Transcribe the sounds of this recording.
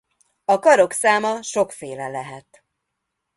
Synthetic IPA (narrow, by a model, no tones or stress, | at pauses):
ɒkɒɾo̞ksaːmɒʃo̞kfeːlɛlɛɦɛt̪